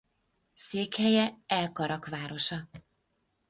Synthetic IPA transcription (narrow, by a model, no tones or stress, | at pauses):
seːkhɛjɛɛlkɒɾɒkʋaːɾo̞ʃɒ